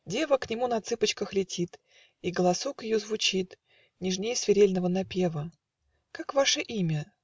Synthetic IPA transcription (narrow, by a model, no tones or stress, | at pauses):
dʲe̞vəknʲɪmunɐt̪sɨpət͡ɕkəxlʲɪtʲit̪ | iɡəlˠɐsokjɪjozvʊt͡ɕit̪ | nʲɪʐnʲejəsvʲɪɾʲelʲnəvənɐpʲe̞və | kakvaʂəʔimʲə